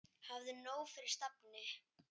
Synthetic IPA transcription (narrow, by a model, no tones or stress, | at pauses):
havðɪnoːwfɪɾɪɾ̥st̪apnɪ